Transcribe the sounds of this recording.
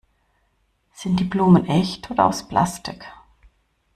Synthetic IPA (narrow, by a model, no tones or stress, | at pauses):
z̥ɪnt̚d̥iːbluːmənʔɛçtʰoːdɐa̰ʊsplʔa̰stɪ̰k